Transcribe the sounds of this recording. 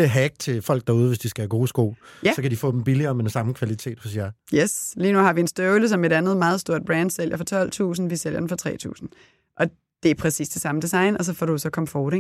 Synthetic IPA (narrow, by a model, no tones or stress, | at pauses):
eɦæɡ̥̚t͡sʰe̝fɒ̽l̰ɡ̥̚d̥ɑ̈uð̞̩ˠʋe̝sd̥isɡ̥æɡ̥o̝ːsɡ̥o̝̰ːjæsɒ̽kʰæd̥ifɔ̰̽d̥em̩b̥iliɐːmenosɑ̈m̩kʰʋælit͡sʰe̝̰ːd̥hɔ̽sjɑjesliːnuhɑ̈ʋiensd̥øʊləsɒ̽me̝ɾænð̞̩ˠmɑ̈ːð̞ˠsd̥o̝ɐ̰d̥̚b̥ʁɛnd̥sel̰jɐfɒ̽t͡sʰɒ̽l̰t͡sʰṵːsn̩ʋisel̰jɐd̥n̩fɒ̽t͡sʰʁɛ̰ːt͡sʰṵːsn̩ | ʔɒ̽ | d̥e̝æɐpʰʁɛsḭːsd̥e̝sɑ̈məd̥isɑ̈ɪnɒ̽s̬ɒ̽fɒɾusɒ̽kʰɒ̽mfoːɾe